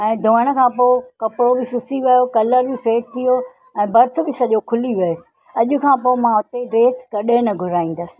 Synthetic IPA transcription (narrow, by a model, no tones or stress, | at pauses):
ɛ̃ːd̪ʱõːəɽ̃̆kʰãːpoːɪkɐpɾobɪsʊsiʋɐjokɐləɾbɪfeːʈ̚t̪ʰijo | ɛ̃ːbɐɾt̪ʰʊbɪsɐʄokʰʊliʋɐosɪ̥̆ | ɐʄʊ̆kʰãːpoːɪmãʊt̪eɖɾeːskɐɗenɐɡʱʊɾaːĩːn̆d̪əsɪ̥̆